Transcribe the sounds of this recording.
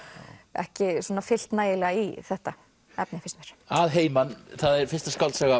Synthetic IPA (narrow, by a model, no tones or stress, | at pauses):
ɛ̰hcɪsuɔnafɪl̥t̪naːjɪlɛːɣaiθɛht̪a | ɛpnɪfɪst̪vɛɾ̥aðɦeːjmanθaðɛɾfɪ̥st̪askalt̪saɣa